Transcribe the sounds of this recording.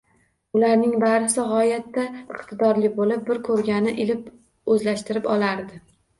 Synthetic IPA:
ʊlaɾnɪŋbaɾsɪʁɒjat̪ːaɪqt̪ʰɪd̪ɒɾlɪbolɪp̚bɪɾkʰɵɾɡʲanɪʔɪlɪp | ɵzlaʃt̪ɪɾɪpɒlˠaɾd̪ɪ

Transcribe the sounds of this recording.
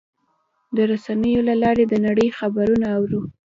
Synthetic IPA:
d̪əɾasanəjolalɑɾed̪ənaɽəjxabaɾunaːwɾu

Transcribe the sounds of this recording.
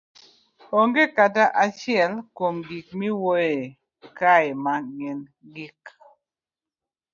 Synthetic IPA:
oŋɡekataʔat͡ʃɪɛlkomɡik̚miwoe | kajmaŋɛn | ɡik

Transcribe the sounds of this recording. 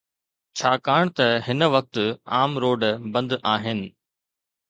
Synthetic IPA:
t͡ɕʰaːkaːɽ̃t̪ɐɦɪnəʋɐk̚t̪ʊ̆aːmɾoːɖbɐ̃nd̪ʔaːɦɪnɪ̆

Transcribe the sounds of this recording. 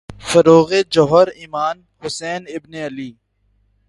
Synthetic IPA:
fɐɾoːɣeːd͡ʒɔɦəɾiːmaːn | hʊsɛːnɪbneɐliː

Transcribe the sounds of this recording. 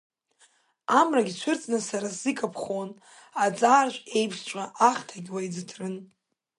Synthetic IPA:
amraɡʲit͡ɕʷʰʊrt͡sʼnɨsaɾaszikʼapʰχon | at͡sʼaːrʒʷʼe̞jpʰʃt͡ʃʷʼaʔaχtʰaɡʲwaid͡zɨtʰrɨn

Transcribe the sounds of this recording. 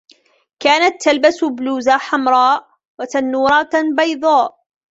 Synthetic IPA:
kaːnat̪ːalbasʊbluːzaħamɾˤɑːʔ | wat̪anːuːɾˤɑbɑjd̪ˤɑːʔ

